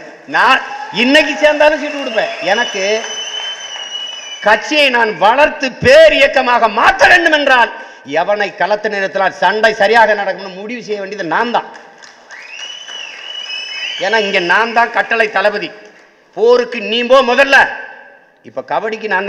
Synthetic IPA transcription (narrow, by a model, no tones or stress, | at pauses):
naːɪnːɐk̬ːiseːɾnd̪aːnɯ̃sɛʈ̪ːɯkːɯɽɯp̬ːeːɛnɐkːɯ | kɐʈ̚t͡ʃːɪjɐɪnaːnʋɐɭɐɾt̪ɯpeːɾɪjɐkːɐmaːɣɐmaːkːɐʋeːɳɖɯmɛndraːl | ɛʋɐɳɐɪkːɐlɐt̪ːɯneːɾɐt̪ːɪlaːlsɐɳɖɐɪsɐɾɪjaːɣɐnɐɽɐkːɯmnːɯmʊɽɪʋɯsɛjːɐʋeːɳɖiɐðɯnaːnd̪ã̰ː | eːnːaːɪŋɡeːnaːnd̪ãːnkɐʈːɐɭɐɪt̪ːɐlɐbɐði | poːɾɯkːɯniːmboːmʊðɐlːɐ | ɪpːoːkɐʋɐɽɪkːɯnaːn